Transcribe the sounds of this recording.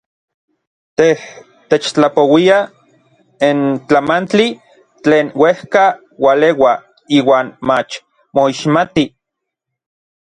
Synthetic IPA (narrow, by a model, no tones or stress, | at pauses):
t̪eh | t̪et͡ʃt͡ɬapowia | int͡ɬamant͡ɬi | t͡ɬeːnwehka | walewa | iːwaːnmat͡ʃ | moiʃmat̪i